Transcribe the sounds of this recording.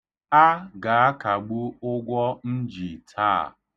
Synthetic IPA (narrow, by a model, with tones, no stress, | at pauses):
a˦ɡa˨a˦ka˨ɡ͡bu˦ʊ˦ɡʷɔ˦n̩˦d͡ʒi˨tʰa̰ː˦˨